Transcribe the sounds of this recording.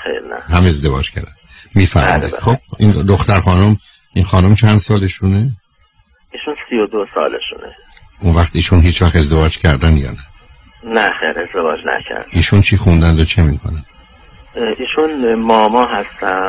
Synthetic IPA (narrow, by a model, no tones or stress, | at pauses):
xḛɾnæ̰ɦæmeezd̪e̞vɒ̰ːd͡ʒkcʰæ̰ɾd̪æn | miːfæ̰ɾmḭd̪ixob̥ind̪oxt̪æɾxɒːnum | ʔinxɒːnomt͡ʃʰænd̪sɒːleʃune | iːʃunsijod̪osɒ̰ːlḛʃṵnḛ | ʔunvæxt̪iːʃunɦiːt͡ʃvæxt̪e̞zd̪e̞vɒːd͡ʒcʰæɾd̪ænd̪jɒ̰ːnæ | næxeːɾezd̪evɒːd͡ʒnæ̰cʰæ̰ɾd̪̥ʔiːʃunt͡ʃʰixund̪ænd̪ot͡ʃʰemikʰonænd̪̥ | iːʃunmɒːmɒːɦæst̪æ